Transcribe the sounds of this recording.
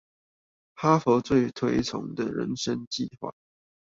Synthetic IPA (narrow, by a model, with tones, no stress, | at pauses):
xa˥fɔ˧˥t͡swe˥˩ɪt̪ʰwe˧˥ɪt͡sʰʊ̰˧˥ŋd̪ə˨ɻə̰˧˦nʂə˦ŋt͡ɕi˥˧xwa̰˥˩˨